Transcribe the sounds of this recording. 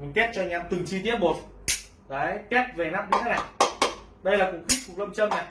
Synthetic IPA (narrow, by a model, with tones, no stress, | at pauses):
t̪ɛ˦˥t̚t͡ɕɔ˧ɲaː˧mt̪ɨ˨˩ŋt͡ɕi˧t̪i˦˥əp̚mo˨˩t̚ | kaː˨˦jk̪ɛ˦˥t̚ve˨˩naː˦˥p̚ɗi˧˦t̪ʰaː˨˦na˨˩j | ɗə˧jlaː˨˩kʊ˨˩ŋ͡mxi˦˥k̚fʊ˨˩k̚lə˧wŋ͡mt͡ɕə˧mna˨˩j